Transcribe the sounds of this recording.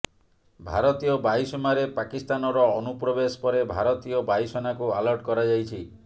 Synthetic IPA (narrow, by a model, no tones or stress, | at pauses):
bʱa̰ɾɔt̪ijɔbajsɔmaɾepakist̪anɔɾɔːnupɾɔbespɔɾebʱaɾɔt̪iɔbajsɔnakualɔɾʈkɔɾad͡ʒajt͡ʃʰi